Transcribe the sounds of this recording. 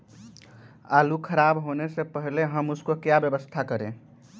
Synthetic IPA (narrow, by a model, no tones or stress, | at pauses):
alukʰəɾabɦonesepəɦileɦəmuskokjabjəbəst̪ʰakəɾḛ̃